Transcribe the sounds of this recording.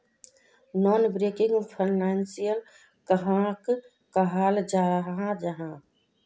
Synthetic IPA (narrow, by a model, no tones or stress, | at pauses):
nɔːnbɾekɪ̃ŋɡpʰəɪnansijəl | kəɦãk | kəɦaːld͡ʒaːɾɦãd͡ʒəɦã